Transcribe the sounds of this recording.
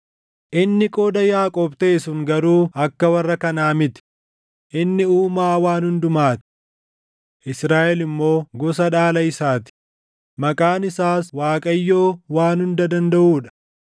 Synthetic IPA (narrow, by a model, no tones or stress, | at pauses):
ʔɪnːɪkʼoːd̪ɐjaːkʼɔbt̪e̞ːsʊŋɡɐɾuːɐkːɐwɐrːɐkɐnaːmɪt̪ɪ̥ | ʔɪnːɪuːmaːwaːnhʊnd̪ʊmaːt̪ɪ̥ | ʔɪsɾaːʔɛlɪmːo̞ːɡɔsɐᶑaːlɐɪsaːt̪ɪ̥ | mɐkʼaːnɪsaːswaːkʼɐjːo̞ːwaːnhʊnd̪ɐd̪ɐnd̪ɐʔuːᶑɐ̥